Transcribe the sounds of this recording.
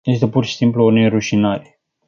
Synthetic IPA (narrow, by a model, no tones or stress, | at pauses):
je̞s̬t̪epurʃi̥simpluuneɾuʃinaɾe